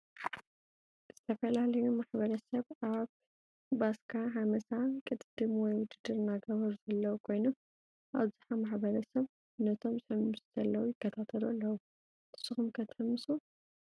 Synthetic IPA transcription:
z̥ɨt̪ʰɐfɐlalɐjumaħbɐɾɐsɐβaβː | askʰaɦamɐsakʼɨt̪d̪̥ɨmwɔjwʊd͡ʒ̪ɨd̪ɨɾnaɡɐβɐɾuz̥ɐlːɐwukʰo̞jnom | ʔa̰βzɨħamaħbɐɾɐsɐβ | nɐt̪ʰo̞mzɨħɨmːɨsuz̥ɐlːɐwujɪkːɐt̪ʰat̪ʰɐlalːɐwu | t̪ʰɨ̥sːɨxumkʰɐt̪ʰħɨmɨsu

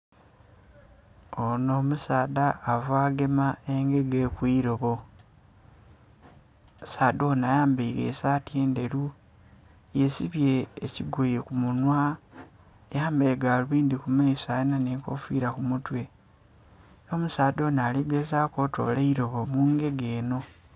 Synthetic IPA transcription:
ono̞ːmusaːdaːvaːɡe̞mae̞ŋɡe̞ɡekwiːɾo̞βo | saːdonajaːmbeiɾḛsaːtieːnde̞ɾu | je̞siβje̞ːciɡojekumunwa | jaːmbe̞ːɡaluβiːnd̪ikumaisajenaneːko̞̰fiːɾakumutwe̞ | omusaːdo̞ːnaːliɡezaːko̞ːto̞̰ːlaiɾo̞βo̞muːŋɡe̞ɡeːno̞

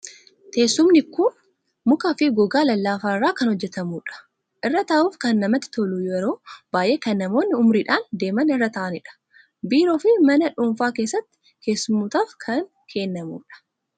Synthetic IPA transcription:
t̪ʰeːsːʊmnɪkʊn | mʊkafɪɡɔɡaːlɐlːaːfaːrːaːkɐnhɔd͡ʒːɛt̪ɐmuːᶑɐ̥ | ʔɪrːɐt̪aːʔuːfkɐnːɐmɐt̪ːɪ̥t̪ɔluːjɛɾo̞ːb̥aːjʔe̞ːkɐnːɐmo̞ːnːɪʊmɾiːᶑaːnd̪e̞ːmɐnɪrːɐt̪ɐːʔɐnɪᶑɐ̥ | biːɾoːfɪmɐnɐᶑʊːɱfaːke̞ːsːɐt̪ːɪ̥ | ke̞ːsːʊmut̪aːfkʰɐn | kʰe̞ːnːɐmṵːᶑɐ̥

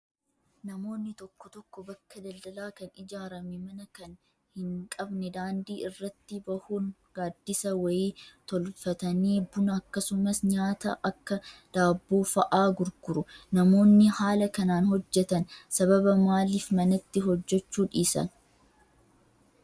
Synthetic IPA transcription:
nɐmo̞ːnːɪt̪ɔkːɔt̪ɔkːɔbɐkːɐd̪ɐld̪ɐlaːkɐnɪd͡ʒaːɾɐmɛmɐnɐkɐn | hɪŋkʼɐbnɛd̪aːnd̪iːʔɪrːɐt̪ːɪbɐhuːnɡaːd̪ːɪsɐwɐjiːt̪ɔlfɐt̪ɐneːbʊnɐɐkːɐsʊmɐsɲaːt̪ɐ̰ʔɐkːɐd̪̥aːbːoːfɐʔaːɡʊɾɡʊɾʊnɐmo̞ːnːɪhaːlɐkɐnaːnhɔd͡ʒːɛt̪ɐnsɐβɐbɐmaːliːfmɐnɐt̪ːɪɦɔd͡ʒːɛt͡ʃːuːᶑiːsɐ̰n

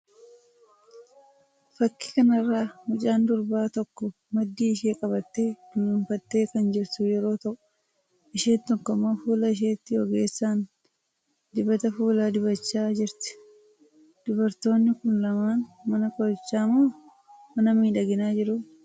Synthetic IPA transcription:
fɐkːɪ̥kɐnɐrːaːmʊt͡ʃʼaːnd̪ʊɾbaːt̪ɔkːɔ | mɐd̪ːiːɪʃe̞ːkʼɐbɐt̪ːe̞ːd̪̥ʊmɪmfɐt̪ːe̞ːkɐnd͡ʒɪɾt̪ʊjɛɾo̞ːt̪ɐkʼːʊ̥ | ʔɪʃeːt̪ɔkːɔmɐfuːlɐɪʃ̬eːt̪ːɪɔɡe̞ːsːaːn | d̪ɪbɐt̪ɐfuːlaːd̪ɪbɐt͡ʃːaːd͡ʒɪɾt̪ɪ̥ | d̪̥ʊbɐɾt̪o̞ːnːɪkʊnlɐmaːnmɐnɐkʼɔt͡ʃːaːmoː | mɐnɐmiːᶑɐɡɪnaːd͡ʒɪɾʊ

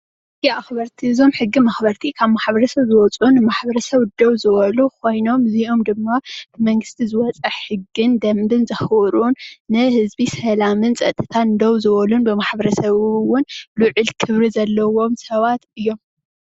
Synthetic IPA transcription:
jaaxbɐɾt̪ʰiɨzo̞mħɨɡːimɐxbɐɾt̪ʰikʰaβmaħbɐɾɐsɐβzɨwɔt͡sʼunɨmaħbɐɾɐsɐβd̪owzɨβɐlukʰo̞jno̞mziʔo̞md̪ɨmːab̥ɨmɐŋɡɨst̪ʰizɨwɔt͡sʼɐħħɨɡːɨnd̪ɐmbɨnzɐxɾunːɨhɨzbisɐlamɨnt͡sʼɐ̰t̪ʼːɨt̪ʰand̪owzɨβɐlunbɨmaħbɐɾɐsɐβwʊnlʊʕɨlkʰɨβɾizɐlːɐwo̞msɐβat̪ɨjːo̞m

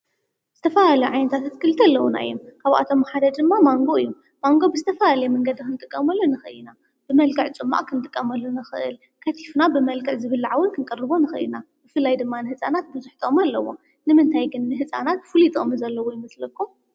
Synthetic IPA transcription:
z̥ɨt̪ʰɐfɐlalɐjuʕajnɐt̪ʰat̪ʰat̪kʰɨlt̪ʰɐlːɐwuna̰jomkʰaβʔa̰t̪ʰo̞mħad̪ɐd͡ʒd̪ɨmːamaŋɡoɨjːu | maŋɡo̞bɨzɨt̪ʰɐfɐlalɐjɛmɐŋɡɐd̪ɨkɨnt̪ʼɨkʼːɐmɐlːunɨxɨɨina | b̥ɨmɐlɡɐʕt͡sʼɨmːa̰ʔkʰɨnt̪ʼɨkʼːɐmɐlːunɨxɨ̰ʔɨ̰l | kʰɐt̪ʰi̥fnabɨmɐlkɐʕzɨβɨlːʕawɔnkʰɨnkʼɐrːɨβonɨxɨ̰ɨ̰ḭnabɨfɨlːajd̪ɨmːanɨhɨt͡sʼanat̪̚bɨzuħt̪ʰʼomalːɐwo̞̰ | nɨmɨnt̪ʰajɡɨnːɨɦɨt͡sʼa̰nat̪fɨlit̪ʰʼomzɐlːɐwujɨmɐslɐkʰːu

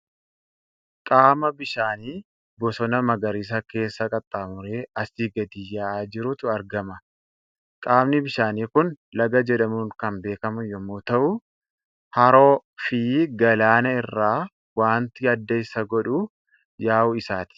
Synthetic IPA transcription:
kʼaːmɐbɪʃaːniː | bɔsɔnɐmɐɡɐɾiːs̬ɐke̞ːsːɐkʼɐt̪ʼːaːmʊɾeːɐsiːɡɐd̪ijaːd͡ʒɪɾʊt̪ʊɐɾɡɐmɐ | kʼaːmnɪbɪʃaːniːkʊn | lɐɡɐd͡ʒɛᶑɐmuːŋkɐnbe̞ːkɐmʊjɔmuːt̪ɐʔʊ | hɐɾo̞ːfiːɡɐlaːnɐɪrːaː | waːnt̪ɪɐd̪ːɐɪsɐɡɔᶑu | jaːʔʊɪsaːt̪ɪ̥

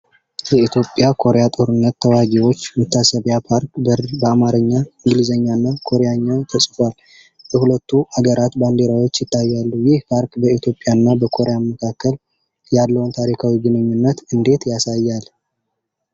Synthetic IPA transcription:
jɛit̪ʰjo̞pʼːjakʰo̞ɾejat̪ʼo̞ɾɨnːət̪ːʰəwaɡiwo̞t͡ʃːmət̪ːasəβjapʰaɾkbəbəamaɾɨɲːaɨŋɡɨlizəɲːanːakʰo̞ɾeaɲːat̪ʰəsʼfal | əhulət̪ːuaɡəɾat̪band̪e̞ɾawo̞t͡ʃːjɪt̪ʰːajːalːujɪhpʰaɾkbəit̪ʰjo̞pʼːjaɨnːabəkʰo̞ɾejaməkʰakːəl | jalːəwunt̪ʰaɾikʰawiɡɨnɨɲːunːət̪ɨnd̪e̞t̪jasajːal

